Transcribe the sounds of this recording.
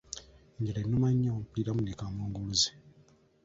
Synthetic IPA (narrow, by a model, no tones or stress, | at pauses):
ɲɟelenːumaɲːapiɾamunekamoːŋɡuluze